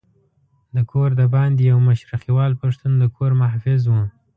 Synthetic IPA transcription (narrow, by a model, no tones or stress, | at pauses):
d̪əkʰoɾd̪əbɑnd̪jawmaʃɾaxiwɑlpaʂt̪und̪əkʰoɾmahfɪzwə